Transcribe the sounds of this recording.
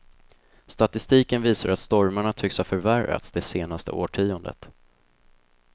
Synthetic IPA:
st̪at̪ɪst̪iːkənviːsaɾat̪st̪ɔɾmaɳat̪ʰʏkshafœɾvæɾa̰t̪sd̪ɛseːnast̪ə̰ʔoːʈʰiːʊnd̪ə̰t̪

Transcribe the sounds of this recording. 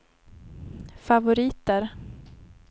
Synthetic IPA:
favʊɾiːt̪əɾ

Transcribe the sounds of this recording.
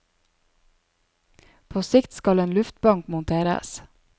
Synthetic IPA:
pʰoːsɪkt̪skɑleːnlʉft̪bɑŋkmʊnt̪ʰeːɾə̰s

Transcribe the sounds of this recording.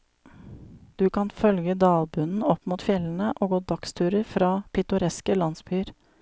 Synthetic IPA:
d̪̥ʉkʰɑnfœlɡəd̪ɑːlbʉnn̩ɔpmuːt̪fjɛlən̩əʔoːɡoːd̪ɑkst̪ʰʉːɾəɾfɾɑːpʰɪt̪ʊɾɛskəlɑnsbyːɾ

